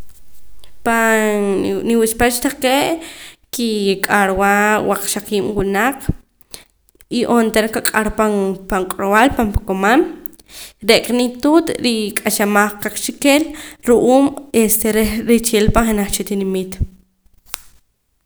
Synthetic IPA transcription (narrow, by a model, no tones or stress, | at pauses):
pa | niwispat͡ʃt̪aqeːʔkikʼaɾwaːwʔaq͡χʃaqiːmwunaq͡χ | iʔont̪eɾkakʼaɾpapaŋkʼɾowalpampakomam | ɾeʔkʼnit̪uːt̪ɾikʼaʃamaχqaq͡χt͡ʃikeːlɾuʔuːmest̪eɾeɾit͡ʃeːlpaχenaχt͡ʃit̪inimit̪